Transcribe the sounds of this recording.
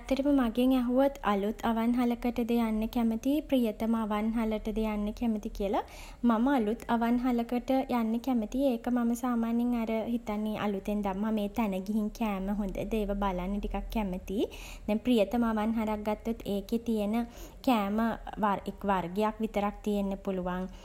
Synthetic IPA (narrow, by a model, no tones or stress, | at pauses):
t̪ːəɾiməmaɡeŋɛɦuʋot̪a̰lut̪ʰaʋanɦaləkəʈəd̪əjanːəkæmət̪iprijət̪əmaʋanɦaləʈəd̪əjanːəkɛmət̪ikiəla | maməalut̪ʰaʋanɦaləkəʈəjʔanːəkɛmət̪ieːkəmaməsaːmaːnjeŋaɾəɦit̪anːeʔa̰lut̪end̪amːameːt̪ænəɡiɦiŋkæːməɦond̪ə̰d̪eːʋəbalanːəʈikakːɛmət̪i | d̪̥ɛŋprijət̪əmaʋanɦaɾak̚ɡat̪ːut̪ʰːeːket̪ijənəkæːməʋarikʋarɡejakʋit̪əɾak̚t̪ijenːəpuluʋaŋ